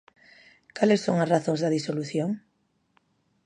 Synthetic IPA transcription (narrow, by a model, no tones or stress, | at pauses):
kalesːoŋɐsraθõŋzðɐðisoluθjoŋ